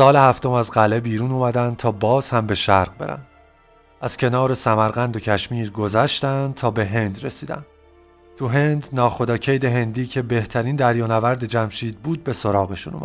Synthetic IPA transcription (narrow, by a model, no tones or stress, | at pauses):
sɒːlehæft̪ʰo̞mæzɢæle̞biːɾuːnuːmæd̪ænd̪̚t̪ʰɒːbɒːz̥hæmbe̞ʃæɾʁ̚be̞̰ɾæ̰nd̪̥ | æz̥cʰe̞nɒːɾe̞sæmæɾɣænd̪o̞cʰæʃmiːɾɡo̞zæʃt̪ænd̪̚t̪ʰɒːbe̞ɦe̞nd̪ɾe̞siːd̪æ̰n | t̪ʰuɦe̞nd̪nɒːxo̞d̪ɒːcʰejd̪e̞ɦe̞nd̪iːcʰe̞be̞ht̪ʰæɾiːnd̪æɾjɒːnævæɾd̪e̞d͡ʒæmʃiːd̪̚buːd̪̚be̞so̞ɾɒːɣe̞ʃṵnṵmæ̰d̪